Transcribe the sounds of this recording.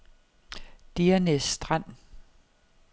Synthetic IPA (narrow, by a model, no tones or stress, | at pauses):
d̥iɐnesd̥ʁan̰